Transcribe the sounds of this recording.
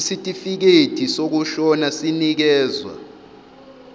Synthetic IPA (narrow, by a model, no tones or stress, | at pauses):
sitʼifik̬etisok̬uʃɔnasinik̬ɛːzwa̰